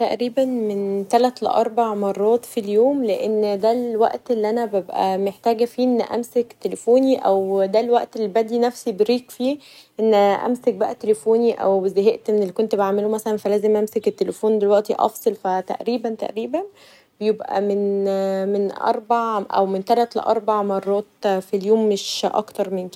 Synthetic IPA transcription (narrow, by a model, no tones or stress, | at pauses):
t̪æʔɾiːbænment̪ælæt̪lḛʔɑɾˤbaʕmɑrˤːɑːt̪ˤfiljoːmleʔenːd̪ælwæ̰ʔt̪ʔelːiʔænæbebʔæ̰meħt̪æːɡæfiːʔenːʔæ̰msekt̪ːelefoːniʔæwd̪ælwæʔt̪elːibæd̪iːnæfsibeɾiːkfiː | ʔenːæʔæ̰msæk̚bæʔæt̪elefoːniʔæ̰wezæɦeʔt̪ʔenːelːikont̪beʕaʕmelumæsælænfælæːzemʔæmseket̪ːelefoːnd̪elwæʔt̪iʔɑ̰fsˤelfæt̪æ̰ʔɾiːbænt̪æ̰ʔɾiːbæn | bejebʔæ̰menmenʔɑ̰ɾˤbaʕʔæ̰wment̪ælæt̪lḛʔɑ̰ɾˤbaʕmɑrˤːɑːt̪filjoːmːeʃʔɑ̰kt̪ɑɾˤmenke